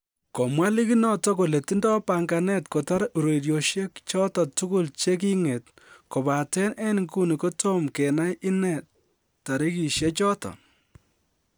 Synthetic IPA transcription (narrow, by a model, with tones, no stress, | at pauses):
kɔ˨mwa˦li˦ki˦nɔ˦tɔ˦ko˨le˨ti˦ndɔ˦pa˨ŋɡa˨nɛ˦tko˨ta˦ɾu˨ɾo˨iɾjo˨ʃje˦kt͡ʃɔ˦tɔ˨tu˦ku˦lt͡ʃe˦k̬i˦ŋe˨t | ko˨ba˨tɛ˦nɛ˦nŋku˦ni˨ko˦to˦mke˨na˦jʔɪ˦nɛ˨ | ta˨ɾi˦ki˨ʃje˦t͡ʃɔ˦tɔ̰˨